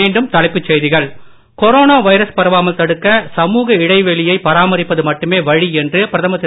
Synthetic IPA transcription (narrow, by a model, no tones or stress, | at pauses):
eːɳɖɯmt̪ɐlɐɪpːɯt͡ʃːɛjðɪɣɐɭ | kɔɾoːnaːʋɐɪɾɐspɐɾɐʋaːmɐlt̪ɐɽɯkːɐsɐmuːɣɐɪɽɐɪʋɛɭɪjɐɪpɐɾaːmɐɾɪpːɐðɯmɐʈːɯmeːʋɐɻiɛndrɯpɪɾɐðɐmɐt̪ː